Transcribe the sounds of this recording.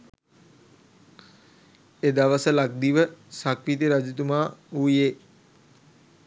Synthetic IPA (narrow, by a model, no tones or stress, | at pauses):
ed̪aʋəsəlak̚d̪iʋəsakʋit̪̬iɾad͡ʒut̪umaːuːjeː